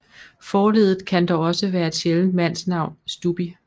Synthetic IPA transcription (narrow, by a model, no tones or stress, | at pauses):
fɒːle̝ð̰ˠð̩ˠkʰænd̥ɒɒ̽səʋæːɐe̝d̥ɕeln̩d̥mæn̰snɑ̈ʊ̰nsd̥ub̥i